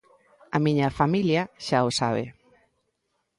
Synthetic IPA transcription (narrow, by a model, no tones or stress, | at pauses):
ɐmiɲɐfamiljɐʃaʊsaβ̞ḛ